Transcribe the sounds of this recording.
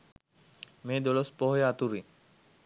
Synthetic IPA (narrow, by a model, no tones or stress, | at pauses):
meːd̪olospɔɦjeat̪uɾi